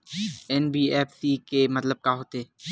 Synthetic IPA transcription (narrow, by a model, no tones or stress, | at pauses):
ɛːnbiɛːpsikemɐt̪ləb̚kaɦoːt̪eː